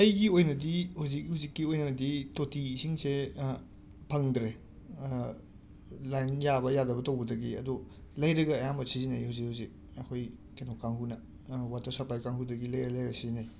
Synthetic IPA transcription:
ɐjɡiojnɐdihuzik̚huzikːiojnɐditotisiŋse | pʰɐŋdɾe | lajnjabɐjadɐbɐtɐwbɐdɐɡiɐdulɐjɾɐɡɐːjambɐsizinɐjhuzik̚huzik̚ | ɐkʰoj | kenɔkːaŋɦunɐ | watɐɾsɐpajkaŋhudɐɡilɐjɾɐlɐjɾɐsizinaj

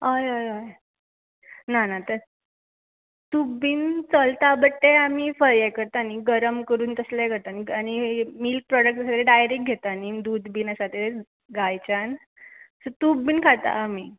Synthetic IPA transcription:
ɦajajaj | nanat̪əɾ | t̪ubiːnt͡səlt̪abəʈːeamiːfəɾjakəɾt̪aniɡəɾəmkəɾuːnt̪əslekəɾt̪aniañimilk̚pɾɔɽək̚ʈəsəɡɭeɖajɾik̚ɡʱet̪anid̪ud̪biːnəsat̪e | ɡajt͡ɕan | sət̪ubːiːnkʰat̪a̰ːm̤i

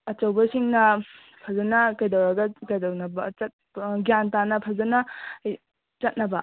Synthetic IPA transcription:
ɐt͡ʃɐwbɐsiŋnɐ | pʰɐzɐnɐkɐjdɐwɾɐɡɐkɐjdɐwnɐbɐt͡ʃɐt̚ | ɡijantanɐpʰɐzɐnɐ | t͡ʃɐt̚nɐbɐ̰

